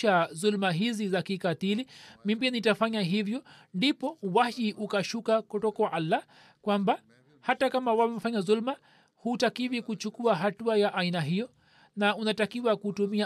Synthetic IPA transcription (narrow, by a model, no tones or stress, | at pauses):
azulmaɦizizakikatilimimbianitafaɲaɦivjɔ | ndipɔwahiʔukaʃukakɔtɔkawaʔalːa | kwamba | hatakamawawɛfaɲaðulma | hutakivikut͡ʃukuaɦatuajaʔainaɦijɔ | naunatakiwakutumia